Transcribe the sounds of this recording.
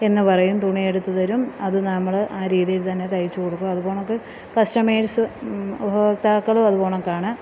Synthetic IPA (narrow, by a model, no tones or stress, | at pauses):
e̞nːɨpɐrɐjumt̪uɳije̞ɽut̪ːɐðɐɾumɐðɨnɐmːɐɭʔaːɾiːðijilt̪ɐnːe̞t̪ɐjit͡ɕːukoɽukːumɐðubo̞ːɳɐokːe | kɐstɐmeːʈsɨubʱɐɐk̚t̪aːkːɐɭoɐðupo̞ːɳɐokːaːɳɨ